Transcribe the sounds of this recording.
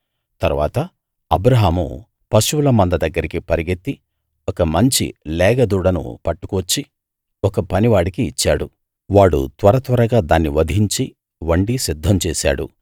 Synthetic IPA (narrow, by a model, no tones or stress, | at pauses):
t̪ɐɾuʋa̰ːt̪ɐ | ɐbɾɐɦaːmṵ | pɐʃuulɐmɐnd̪ɐd̪ɐɡːɐɾikipɐɾiɡet̪ːi | ɔkɐmɐɲt͡ʃḭlɛːɡɐd̪uːɽɐnṵpɐʈːu̥kuʋɐt͡ʃːi | ɔkɐpɐniʋaːɽikiːt͡ʃːaːɽu | ʋaːɽṵt̪ʋɐɾɐt̪ʋɐɾɐɡaːd̪aːnːiʋɐd̪ʱiɲt͡ʃi | ʋɐɳɖisid̪ʱːɐmt͡ʃɛːsa̰ːɽṵ